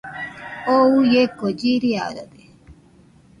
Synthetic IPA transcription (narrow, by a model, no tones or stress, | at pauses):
oujekod͡ʒiɾia̰ɾod̪e